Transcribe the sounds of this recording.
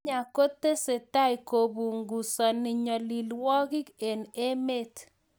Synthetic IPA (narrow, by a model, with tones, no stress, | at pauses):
a˨ko˦t̪e˦se˨ta˦i˨ko˨bu˨ŋɡu˨sɔ˨nɪ˨ɲɔ˨li˨lwɔ˦kɪ˦ke˨ne˦me˦t̪